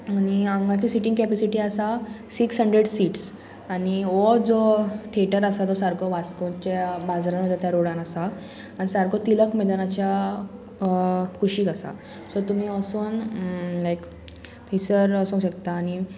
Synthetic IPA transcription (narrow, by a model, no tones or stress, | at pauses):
aniaŋɡat͡ɕisiʈiŋkɛpɛsiʈiasasiksɦəɳɖɾeɽsiːʈs | aniɔd͡zɔʈʰeʈəɾasad͡z̪ɔsaɾkʰɔʋat͡skot͡ɕabad͡zɾanməd̪at̪jaɾoɽãnasaː | ñisaɾkɔt̪iləkmed̪anat͡ɕja | kʰuɕiːkasa̰ | sɔt̪um̤iəsuːnlajk | t̪isəɾəsũɕəkt̪aːñi